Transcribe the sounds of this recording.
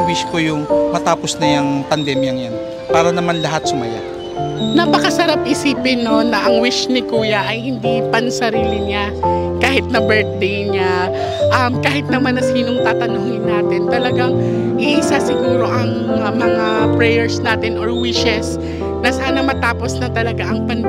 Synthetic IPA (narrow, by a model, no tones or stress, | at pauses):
wiʃkojʊŋmɐt̪aːposnɐjɐŋpɐnd̪ɛmjɐŋjan | paːɾɐnɐmanlɐɦat̪sʊmɐja̰ | nɐpɐkɐsɐɾap̚ʔɪsiːpɪnːo̞nɐʔɐŋwɪʃnɪkuːjɐʔɐjhɪnd̪ipɐnsɐɾiːlɪɲa | kaːhɪt̪̚nɐbɛɹt̪̚d̪ejɲa | ʔɐmkaːɦɪt̪̚nɐmanɐsiːno̞ŋt̪aːt̪ɐnoːŋɪnːaːt̪ɪnt̪ɐlɐɡaŋ | ʔiʔɪsasɪɡuːɾo̞ʔɐŋ | ɐmɐŋapɾɛjɛɹsnaːt̪ɪnʔoɹwɪʃɛs | nɐsaːnɐmɐt̪aːpo̞snɐt̪ɐlɐɡaʔɐŋpɐn